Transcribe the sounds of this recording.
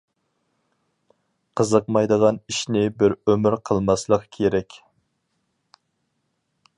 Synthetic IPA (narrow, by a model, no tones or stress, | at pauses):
qʰəzəqmɑjd̪əʁɑniʃnɪbɪɾømɪɾqʰəlˠmɑslˠəqkʲʰeɾɛkʲ